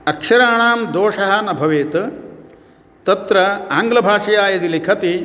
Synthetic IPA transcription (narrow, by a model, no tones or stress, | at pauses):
ɐkʂɐɾaːɳaːmd̪oːʂɐɦɐ̆nɐbʱɐʋeːt̪ | t̪ɐt̪ɾɐaːŋɡlɐbʱaːʂɐjaːjɐd̪ilikʰɐt̪i